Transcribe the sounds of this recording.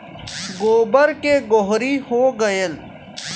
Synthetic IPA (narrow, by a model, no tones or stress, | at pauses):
ɡoːbəɾkeɡoɦɾihoːɡəjəl